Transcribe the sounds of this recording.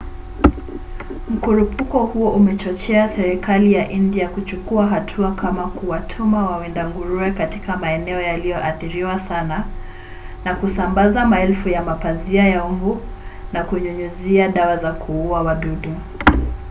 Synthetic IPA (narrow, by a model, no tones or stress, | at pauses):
m̩kuɾupʰukɔhuɔʔumɛt͡ʃɔt͡ʃɛasɛɾikalijaʔindiakut͡ʃukuaɦatʰuakamakuwatʰumawawɛndaŋɡuɾuɛkatikamaɛnɛɔjalijɔʔaθiɾiwasana | nakusambazamaɛlfujamapaziajaumbu | nakuɲuɲuziaɗawazakʰuuawaɗuɗu